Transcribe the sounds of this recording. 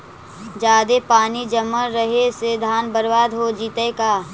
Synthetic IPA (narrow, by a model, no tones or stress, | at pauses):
d͡ʒaːd̪epaːnid͡ʒəmːəɾəɦeseːd̪ʱaːnbəɾʋaːd̪ɦod͡ʒiːt̪eːkaː